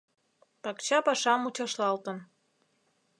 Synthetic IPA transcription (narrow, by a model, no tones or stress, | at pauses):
pɑkt͡ɕɑpɑʃɑmut͡ɕɑʃlɑlt̪ən